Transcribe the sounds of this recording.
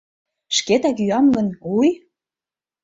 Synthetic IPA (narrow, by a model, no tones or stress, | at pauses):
ʃket̪ækyɑmɡə̆nuj